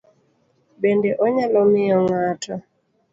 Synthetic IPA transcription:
bɛndɛʔɔɲalɔmɪɔŋatʰɔ

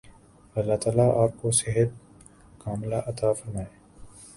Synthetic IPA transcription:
ɐlːaːt̪aːlaaːp̚koseɦət̪̚ | kaːmlaʔɐt̪aːfɐɾmaːeː

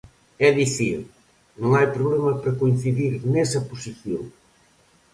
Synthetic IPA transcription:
ɛðiθiɾ | nõŋajpɾoβlemɐpɾɐkoin̟θiðiɾnɛsɐposiθjo̰ŋ

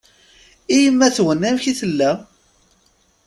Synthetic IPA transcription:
ijəmːæθwənæmçiθəlːæ

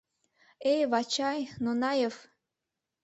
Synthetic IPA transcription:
ejvɑt͡ɕɑjnonɑjef

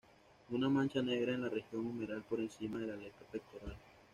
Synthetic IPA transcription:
unamant͡ʃane̞ɣɾaenlarexjo̞ŋumeɾalpoɾensimaðe̞laleɾt̪apek̚t̪oɾal

